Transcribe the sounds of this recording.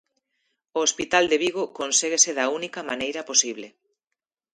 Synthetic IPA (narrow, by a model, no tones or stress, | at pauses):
oospit̪ald̪eβiɣokonseɣeseðaunikɐmanejɾɐposiβle